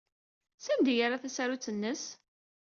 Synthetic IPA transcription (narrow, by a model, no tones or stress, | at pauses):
sænd̪jaɾaθæsaɾut͡sːənːəs